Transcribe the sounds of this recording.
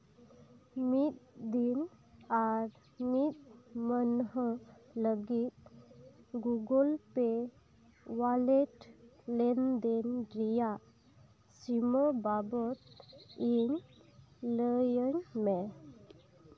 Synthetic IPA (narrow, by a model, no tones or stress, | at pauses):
mit̪̚d̪inaɾ | mit̪̚mənɦələɡit̪̚ | ɡuɡəlpe | waleʈlɛnd̪enɖɾijaʔ | siməbabɔt̪̚iŋ | ləjəɲme